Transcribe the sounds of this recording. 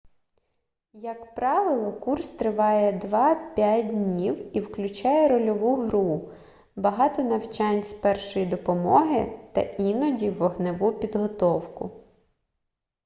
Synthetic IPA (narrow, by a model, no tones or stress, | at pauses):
jɐkpɾɑʋɪlˠɔkurst̪ɾɪʋɑjɛd̪ʋɑpʲat̚ʲdʲnʲiwiwklʲʊt͡ʃɑjɛɾɔlʲɔʋuɦɾu | bɐɦɑt̪ɔnɐwt͡ʃɑnʲsʲpɛrʃɔjid̪ɔpɔmɔɦɪt̪ɐ̰inɔdʲiʋɔɦnɪʋupʲid̪ɦɔt̪ɔwkʊ̰